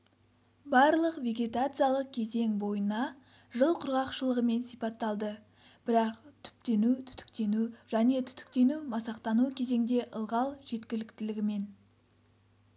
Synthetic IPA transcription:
bɑɾlˠəqvʲe̞ɡʲe̞t̪at̪sɨjalˠəq̚kʲʰe̞ze̞ŋbo̞jənɑ | ʒəlˠqʰʊɾʁɑqʃəlˠəʁəme̞nsijpɑt̪ːɑlˠd̪ə | b̥ɪɾɑqt̪ʰʏ̥p̚t̪e̞nut̪ʰʏ̥t̪ʏ̥k̚t̪e̞nuʒæne̞t̪ʰʏ̥t̪ʏ̥k̚t̪e̞numɑsɑqt̪ɑnukʲʰe̞ze̞ŋd̪e̞ʔəlˠʁɑlˠʒe̞t̪kʲɪlɪkt̪ɪlɪɡʲɪme̞n

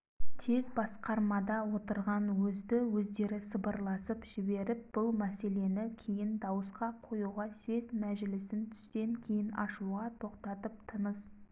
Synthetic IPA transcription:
t̪ʰe̞zbɑsqɑɾmɑd̪ɑwo̞t̪əɾʁɑnwɵzd̪ɪwɵzd̪e̞ɾɪsəbəɾlˠɑsəpʒ̥ɪbe̞ɾɪp̚b̥ʊlˠmæse̞le̞nɪkʲʰe̞jɪnd̪ɑwəsqɑqʰo̞juʁɑse̞zmæʒɪlɪsɪnt̪ʰʏ̥st̪e̞ŋkʲʰe̞jɪnɑʃuʁɑt̪ʰo̞qt̪ɑt̪əp̚t̪ʰənəs

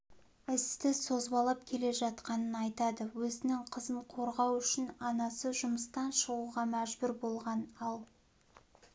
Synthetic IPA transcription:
ɪst̪ɪsozbɑlˠɑp̚kʲʰe̞le̞ʒɑt̪̚qɑnənɑjt̪ɑd̪əwɵzɪnɪŋqʰəzəɴqʰo̞ɾʁɑwʏʃɪnɑnɑsəʒʊməst̪ɑnʃəʁuʁɑmæʒbʏɾbo̞lˠʁɑnɑlˠ

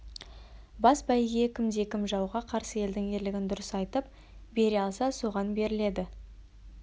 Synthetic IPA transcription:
bɑsbɑjɡʲe̞kʲʰɪmd̪e̞kʲɪmʒɑwʁɑqʰɑɾsəje̞ld̪ɪŋe̞ɾlɪɡʲɪnd̪ʊɾəsɑjt̪əp | be̞ɾeɑlˠsɑsuʁɑnbe̞ɾɪle̞d̪ɪ

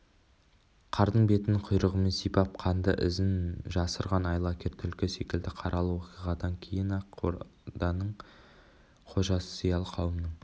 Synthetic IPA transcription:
qʰɑɾd̪əɴbe̞t̪ɪnɪqʰʊjɾəʁəme̞nsijpɑp̚qʰɑnd̪ə̰ʔɪzɪnʒɑsəɾʁɑnɑjlˠɑkʲʰe̞ɾt̪ʰʏlkʲɪse̞kʲɪld̪ɪqʰɑɾʔɑlˠwo̞qiʁɑd̪ɑŋkʲʰe̞jɪnɑ | d̪ɑnəɴ | qʰo̞ʒɑsəsijɑlˠəqʰɑwəmnəɴ

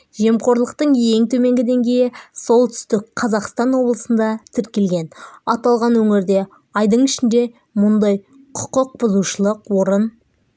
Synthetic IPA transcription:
ʒe̞mqo̞ɾlˠəq̚t̪əɴe̞ŋt̪ʰɵme̞ŋɡʲɪd̪e̞ŋɡʲe̞jɪso̞lˠt̪ʰʏ̥st̪ɪkqʰɑzɑqst̪ɑnwo̞blˠəsənd̪ɑt̪ʰɪɾkʲe̞lɡʲe̞nɑt̪ɑlˠʁɑnwɵŋɪɾd̪e̞ | ɑjd̪əɴɪʃɪnd̪e̞ | mʊnd̪ɑj | qʰʊ̥qʊq̚b̥ʊzuʃəlˠəqwo̞ɾən

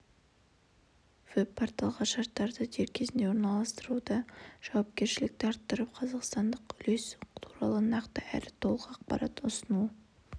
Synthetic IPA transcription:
v̥ɵpʰːɑɾt̪ːɑlˠʁɑnʃɑɾt̪ːɑɾd̪əd͡ʒ̪ʰeɾkʲʰe̞zɪnd̪e̞wo̞ɾnɑlˠɑst̪əɾud̪ɑʒ̥ɑwɑp̚kʲe̞ɾʃɪlɪk̚t̪eɑɾt̪ːəɾəp̚qʰɑzɑqst̪ɑnd̪əqʏle̞st̪ʰuɾɑlˠənɑqt̪əʔæ̰lɪt̪ʰo̞lˠəqəɑqpɑ̰ɾɑ̰t̪ʊsənu

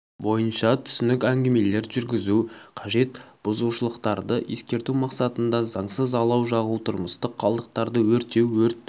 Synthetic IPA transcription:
bo̞jənʃɑt̪ʰʏ̥sɪnɪkʲæŋɡʲeme̞le̞ɾʒʏɾɡʲɪzuqʰɑʒe̞t̪b̥ʊzuʃəlˠəqt̪ɑɾd̪əʔje̞skʲe̞ɾt̪umɑqsɑt̪ənd̪ɑzɑɴsəzɑlˠɑwʒɑʁut̪ʰʊɾməst̪əqχʰːɑlˠd̪əq̚t̪ɑɾd̪əwɵɾt̪e̞wwɵɾt̪ː

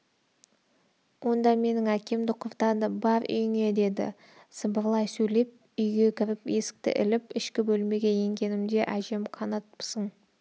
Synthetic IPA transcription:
wo̞nd̪ɑme̞nɪŋækʲe̞md̪ɪqʰʊɾt̪ɑd̪əbɑɾʏ̰jɪŋe̞d̪e̞d̪ɪ̰ | səbəɾlˠɑjsɵjle̞p̚ | ʏjɡʲe̞kʲʰɪɾɪpje̞sɪ̥k̚t̪ɪ̰ʔɪ̰lɪpɪʃkʲɪbɵlme̞ɡʲe̞je̞ŋɡʲe̞nɪmd̪e̞ʔæʒe̞mqʰɑnɑt̪̚psəɴ

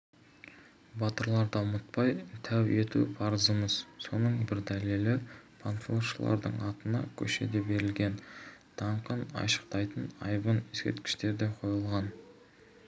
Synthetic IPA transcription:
bɑt̪əɾlˠɑɾd̪ɑʊmət̪̚pɑjt̪ʰæwe̞t̪ṵpʰɑɾəzəməzso̞nəɴbɪɾd̪æle̞lɪpʰanflʲoʃəlˠɑ̰ɾd̪ə̰ɴɑt̪ənɑ̰kʲʰɵʃe̞̰d̪e̞be̞ɾɪlɡʲe̞nt̪ʰɑɴqənɑ̰jʃə̥q̚t̪ɑjt̪ənɑ̰jbəneskʲḛɾt̪kʲɪ̥ʃt̪e̞ɾd̪eqʰo̞jəlˠʁɑn

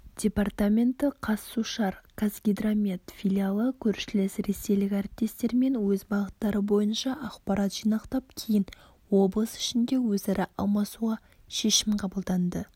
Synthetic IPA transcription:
d̪̥ʲe̞part̪amʲe̞nt̪əqʰɑsːuʃɑɾkʰasɡʲid̪ramʲet̪fʲilʲialˠəkʲʰɵɾʃɪlɪsɾe̞se̞jlɪkʲaɾɪp̚t̪e̞st̪e̞ɾme̞nwɵzbɑʁət̪ːɑɾəbo̞jənʃɑʔɑqpɑɾɑt̪ʒ̥ijnɑqt̪ɑp̚kʲʰejɪn | wo̞blˠəsɪ̥ʃɪnd̪e̞wɵzæɾɪʔɑ̰lˠmɑsuʁɑ | ʃe̞ʃɪmqʰɑbəlˠd̪ɑnd̪ə

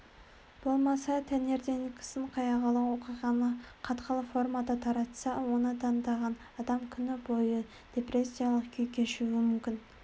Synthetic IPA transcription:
b̥o̞lˠmɑsɑt̪ʰeneɾd̪enɪkʲʰɪ̥səɴqʰɑjɑʁɑlˠəwo̞qijʁɑnəqʰɑt̪qəlˠəfo̞rmɑd̪ɑt̪ʰɑɾɑt̪sɑwo̞nət̪ʰɑnd̪ɑʁɑn | ɑd̪ɑmkʲʰʏnɪbo̞jə | d̪̥ʲe̞pre̞sʲːijalˠəqkʲʰɵjkʲʰe̞ʃuwɪmʏmkʲɪn

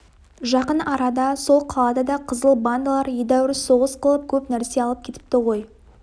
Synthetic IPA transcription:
ʒɑqənɑɾɑd̪ɑsolˠqʰɑlˠɑd̪ɑd̪ɑqʰəzəlˠband̪lˠɑɾjed̪æwɪɾso̞ʁəsqʰəlˠəp̚kʲʰɵpnæɾse̞ɑlˠəp̚kʲʰe̞t̪ɪ̥p̚t̪ɪʁo̞j

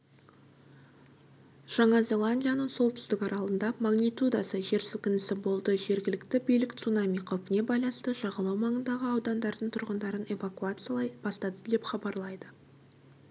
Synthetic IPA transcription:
ʒ̥ɑɴɑzʲe̞lˠanʲdʲijanəɴso̞lˠt̪ʰʏ̥st̪ɪkɑɾɑlˠənd̪ɑmaɡnijt̪ud̪ɑsəʒe̞ɾsɪlkʲɪnɪsɪbo̞lˠd̪əʒe̞ɾɡʲɪlɪkt̪ɪbijlɪkt̪sunamʲijqʰɑwpɪne̞bɑjlˠɑnəst̪əʒɑʁɑlˠɑwmɑɴənd̪ɑʁəɑwd̪ɑnd̪ɑɾd̪əɴt̪ʰʊɾʁənd̪ɑɾəne̞vakuat̪sb̥ɑst̪ɑd̪əd̪epχɑbɑɾlˠɑjd̪ə

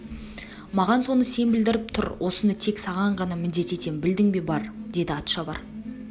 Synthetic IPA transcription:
mɑʁɑnso̞nəse̞nbɪld̪ɪɾɪp̚t̪ʰʊɾwʔo̞sənət̪ʰe̞ksɑʁɑɴʁɑnɑmɪnd̪e̞t̪e̞t̪e̞nbɪld̪ɪŋbe̞bɑɾd̪e̞d̪ɪɑt̪ʃɑbɑ̰ɾ

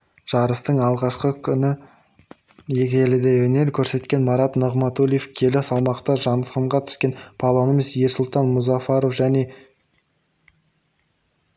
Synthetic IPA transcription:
ʒ̥ɑɾəst̪əɴɑlˠʁɑʃqəkʲʰʏnɪ | je̞kʲelɪd̪ewɵne̞ɾkʲʰɵɾse̞t̪kʲe̞nmɑɾɑt̪nəʁmɑt̪ulʲˠijefkʲʰe̞lɪsɑlˠmɑqt̪əʒɑnd̪əsəɴʁɑt̪ʰʏ̥skʲe̞npʰalˠonomisjeɾsʊlˠt̪ɑnmʊzɑfɑɾofʒæne̞

